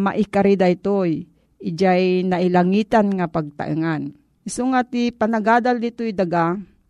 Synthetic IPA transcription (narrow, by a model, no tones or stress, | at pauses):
maʔikaɾid̪ajt̪oj | ɪd͡ʒajnaʔilaŋit̪anŋapaɡ̚t̪a̰ʔɨ̰ŋan | ɪsoŋat̪ipanaɡad̪ald̪it̪ojd̪aɡa